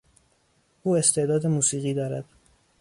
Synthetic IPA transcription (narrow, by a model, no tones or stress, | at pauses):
ʔuːe̞st̪ʰe̞ʔd̪ɒːd̪e̞muːsiːɣiːd̪ɒːɾæd̪̥